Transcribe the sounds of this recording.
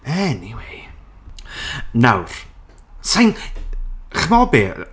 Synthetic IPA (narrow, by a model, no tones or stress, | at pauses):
ɛniwej | nawr̥ | sajn | χmɔbɪ